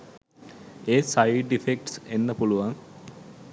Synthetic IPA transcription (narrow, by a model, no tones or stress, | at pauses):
eːsajɖifek̚ʈsenːəpuluʋaŋ